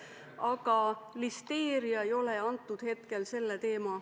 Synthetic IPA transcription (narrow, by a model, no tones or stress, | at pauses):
ɑɡɑlist̪e̞ːɾiɑejo̞leɑnt̪ˑːud̪̥he̞t̪ke̞lse̞lːet̪e̞ːmɑ